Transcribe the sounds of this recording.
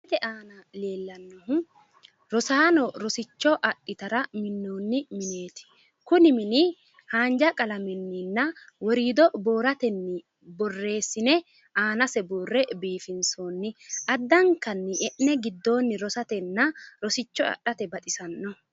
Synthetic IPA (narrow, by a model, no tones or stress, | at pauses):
t̪ɛʔaːnɐle̞ːlːɐnːɔɦʊ | ɾɔsaːnɔɾɔsɪt͡ʃːɔʔɐɗːɪt̪ɐɾɐmɪnːoːnːɪmɪne̞ːt̪ɪ̥ | kʊnɪmɪnɪ | haːnd͡ʒɐkʼɐlɐmɛnːɪnːɐ | wɔɾiːd̪ɔboːɾɐt̪ɛnːɪ | bɔrːe̞ːsːɪnɛ | ʔaːnɐsɛboːrːɛbiːfɪnsoːnːɪʔɐd̪ːɐŋkːɐnːɪʔɛʔnɛɡɪd̪ːo̞ːnːɪɾɔsɐt̪ɛnːɐɾɔsɪt͡ʃːɔɐ̰ɗɐt̪ɛbɐt̪ʼɪsɐnːɔ